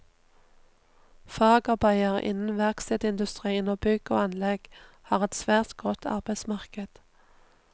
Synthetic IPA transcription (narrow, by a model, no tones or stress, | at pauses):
fɑːɡɑbɑɪəʁɪ̰nn̩ʋæʁksɛd̪ɪnd̪ʉst̪ʁiːənoːbʏɡ̥o̰ːɑnlɛɡ̥ | hɑːʁɛt̪sʋæːʁt̪ɡɔt̪ʰɑ̰ʁbæɪsmɑʁkəd̪̥